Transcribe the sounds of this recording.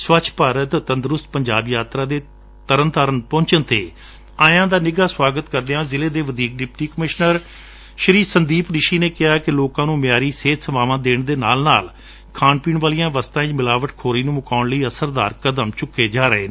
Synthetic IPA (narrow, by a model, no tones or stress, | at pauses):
sʋət͡ʃʰpaːɾət̪ːənd̪ɾʊst̪̚pəɲd͡ʒaːbjaːt̪ɾaːd̪eː | t̪əɾənt̪əɾənpɔ̃ːɲt͡ʃənt̪ḛː | ãːjãːd̪aːnɪɡaːswaːɡət̪kəɾd̪eãːzɪleːd̪eːʋəd̪iːk̚ɖɪp̚ʈiːkəmɪʃnəɾ | ʃəɾiːsənd̪iːpnɪʃiːneːkɪɦaːkɪloːkãːnũːmɪjaːɾiːseːt̪ʰsəʋaːʋãːd̪eːɳd̪eːnaːlnaːl | kʰaːnpiːɳʋaːlijãːʋəst̪ãːɪt͡ʃmɪlaːʋəʈkʰoːɾiːnũːmʊkaːʊɳləiːəsəɾd̪aːɾkəd̪əmt͡ʃʊkːeːd͡ʒaːɾəɦeː